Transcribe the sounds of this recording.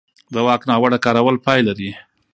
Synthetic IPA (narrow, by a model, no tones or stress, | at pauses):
d̪əwɑknɑwəɽakɑɾawəlpɑjlaɾi